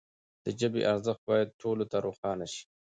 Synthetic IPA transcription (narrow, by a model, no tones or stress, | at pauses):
d̪̥əd͡ʒəbḛʔaɾzəxt̪̚bɑjad̪̚ʈʰolot̪aɾoxɑːnaʃi̥